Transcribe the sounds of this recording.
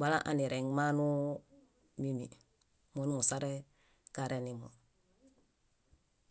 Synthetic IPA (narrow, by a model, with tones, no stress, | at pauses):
wa˦la˦ʔa̰˨ni˨ɾeŋma˦nu˦ | mimḭ | mo˦nu˦mu˨saɾe | kaɾeni˨mo̰